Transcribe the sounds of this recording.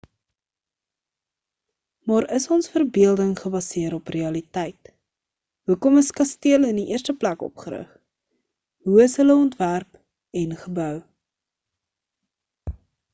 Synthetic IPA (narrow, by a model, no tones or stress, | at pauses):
mɑːɾəsɔnsfərbiəlˠdəŋχəbɐsiəɾɔpreɐlitɛjt | ɦukɔməskɐstiələndiʔiərstəplækɔ̰pχəɾə̰χ | ɦuəsɦələɔntværp | ɛnχəbœw